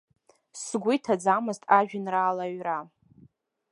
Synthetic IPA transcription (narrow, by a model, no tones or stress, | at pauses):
sɡʷʊjtʰad͡zamɨztʰʼaʒᶣɪnraːlaɥra